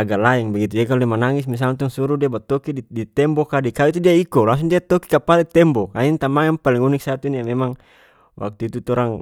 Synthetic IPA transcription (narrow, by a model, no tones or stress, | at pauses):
aɡalaɛŋbaɡit̪ud͡ʒakaludimanaŋismis̬alnt̪uŋsuɾudiabat̪ɔkididit̪ɛmbɔkadikauit̪̬udiaikɔlaŋsuŋdiat̪ɔki̥kapaldit̪ɛmbɔkaint̪amaŋanpaliŋunik̚sat̪uniamɛmaŋ | wʔa̰k̚t̪uit̪ut̪ɔɾaŋ